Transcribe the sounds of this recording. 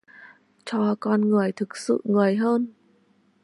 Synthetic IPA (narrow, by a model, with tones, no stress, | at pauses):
t͡ɕɔ˧kɔ˧nŋɨ˨˩əjt̪ʰɨ˨˩k̚sɨ̰˧˨ŋɨ˨˩əjɦəː˧n